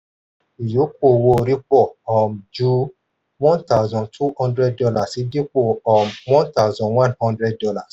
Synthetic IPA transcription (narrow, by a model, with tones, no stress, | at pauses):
i˨jo˨˦ko˦˨wo˧ɾi˦k͡pɔ˦˨ɔ˨md͡ʒu˦ | wɔ̃˦ta˦˨zɔ̃˨ntʰu˦hɔ̃˦ndɾɛ˦d̚dɔ˧la˦˨si˨˦di˦k͡po˦˨ɔ˨mwɔ̃˦nta˦˨zɔ̃˨wã˦nhɔ̃˦ndɾɛ˦d̚dɔ˧la˦˨s